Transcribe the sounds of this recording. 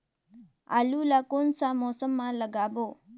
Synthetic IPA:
ɐ̰lulakonsamoːsɐmːalɐɡaːbo

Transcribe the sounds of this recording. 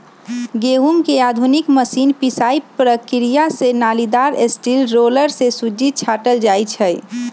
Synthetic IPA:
ɡeɦuŋkead̪ʱunikməsinpisaipɾəkɾijasenalid̪aɾesʈilɾoləɾsesud͡ʒit͡ʃʰaʈəld͡ʒajt͡ʃʰəj

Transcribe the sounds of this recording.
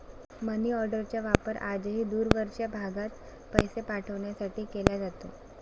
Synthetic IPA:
məniːɔɾɖəɾt͡ɕjaʋapəɾa̰d͡zɦiːd̪uːɾʋəɾʂjabʱaɡat̪ | pəjsepaʈʰəʋɳjasaʈiːkelad͡zat̪o̰

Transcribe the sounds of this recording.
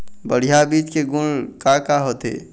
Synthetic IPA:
bəɽ̤ijabiːd͡ʒkeɡuɳkakaɦot̪ḛ

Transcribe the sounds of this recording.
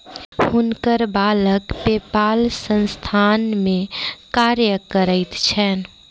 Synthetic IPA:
hʊnkəɾbaːləkpeːpaːlsə̃nst̪ʰaːnmẽkaːɾjəkəɾəɪt̪t͡ʃʰɛːn

